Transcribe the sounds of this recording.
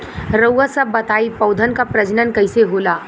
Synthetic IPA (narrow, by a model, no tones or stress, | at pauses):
ɾəwəsɐbːɐt̪aːipɐʊd̪ʱənkapɾɐd͡ʒnənkɐɪseɦoːlaː